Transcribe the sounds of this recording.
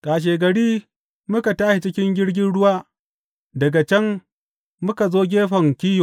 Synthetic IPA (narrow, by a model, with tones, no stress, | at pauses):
kʼaː˨ʃ̬eː˨ɡɐ˨ɽiː˦ | mʊ˦ka˨taː˦ʃe˨t͡ʃɪ˦kʲɪ˦ŋɡʲɪ˦ɽɡʲɪ˦nɽʊ˦waː˦ | dɐ˨ɡa˨t͡ʃɛ˦ŋː | ʊ˦ka˨zoː˦ɡʲeː˦ɸɐ˨ŋkʲiː˦jo˨